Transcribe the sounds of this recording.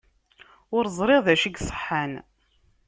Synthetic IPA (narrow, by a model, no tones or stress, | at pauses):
ʊɾzˤɾɪʁðæʃiɡsˤə̥ħːan